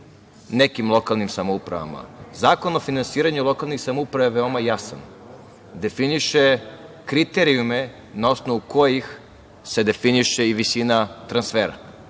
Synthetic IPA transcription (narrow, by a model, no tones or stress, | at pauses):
nekimlˠo̞kalnimsamoupɾa̰ʋa̰ma̰zaːko̞no̞finansiːɾaɲulˠo̞kalˠnixsamoupɾaʋaʋeo̞majasa̰n | d̪e̞finiʃe | kɾit̪eɾiume̞ | nao̞snoʋuko̞jix | se̞d̪e̞finiʃeiʋisinat̪ɾansfeːɾa̰